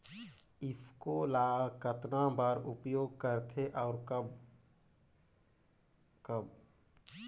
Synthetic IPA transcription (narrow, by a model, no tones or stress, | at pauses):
ɪpʰkolaːkət̪nãbaːɾʊpjoːɡ̚kəɾt̪ʰeʔɔːɾkəb | kəb